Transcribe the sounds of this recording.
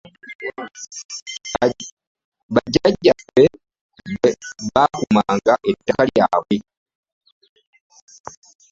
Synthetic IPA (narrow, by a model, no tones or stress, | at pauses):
βaɟaɟːabe | βakumaːŋɡaʔetːakaljaːβwe